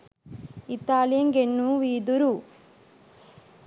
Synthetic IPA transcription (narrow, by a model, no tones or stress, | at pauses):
it̪aːlijɐŋɡenːuʋiːd̪uɾu